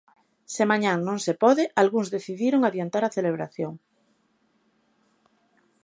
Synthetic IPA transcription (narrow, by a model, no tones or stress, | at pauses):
sɪmaɲaŋnõŋsepɔðɪʔalɣuŋzðeθiðiɾoŋaβjant̪aɾaθeleβ̞ɾaθjoŋ